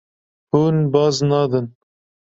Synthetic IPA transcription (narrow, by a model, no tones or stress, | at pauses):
hunbɑːznɑd̪ɨn